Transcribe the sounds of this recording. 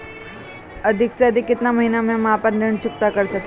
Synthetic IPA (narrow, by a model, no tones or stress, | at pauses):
əd̪ʱiksad̪ʱikːit̪naməɦinamamaapənd̪eɳt͡ɕuk̚t̪akəɾsak